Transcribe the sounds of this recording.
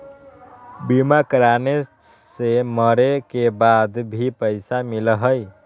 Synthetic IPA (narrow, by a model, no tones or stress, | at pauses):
bimakɾane | seməɾekebad̪bʱipəɪsamilɦəj